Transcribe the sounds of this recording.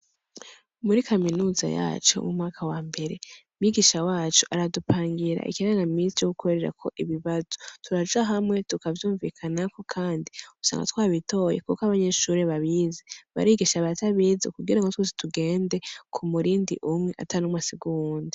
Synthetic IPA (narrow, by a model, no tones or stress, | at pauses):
muɾikʰaminuza̰ja̰ːt͡ʃo̰mumŋaːkʰawaːmbe̞ɾe̞mɲiɡiʃawaːt͡ʃuʔaɾadupʰaːŋɡiɾa̰ʔḭkiaaŋɡamiːnsijoɡukʰo̞ɾeɾe̞ɾa̰kʰo̞ʔiβiβazo̥tʰuɾad͡ʒaɦamŋe̞tukavjuːɱviːkʰanako̞kʰaːndiu̥sa̰ːŋɡa̰twaːβito̞jḛkukaβaɲe̞ʃuːɾeβaβizeβa̰ɾiːɡiʃaβataβiːzokuɡiɾaŋɡotwezi̥tuɡe̞ːnde̞kʰumuɾiːndḭʔumŋe̞ʔa̰tʰanumasiɡuuːndi